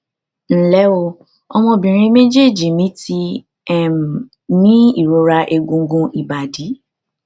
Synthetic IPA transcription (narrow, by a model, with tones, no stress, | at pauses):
n̩˦˨lɛ˨˦o˧ | ɔ˧mɔ̃˧bĩ˨ɾ̃ĩ˧me˦d͡ʒe˦˨d͡ʒi˨mĩ˦ti˧ | ɛ˦˨m˨ | nĩ˦i˦˨ɾo˧˦ɾa˧ʔe˧ɡũ˧˦ɡũ˧ʔi˨ba˨di˨˦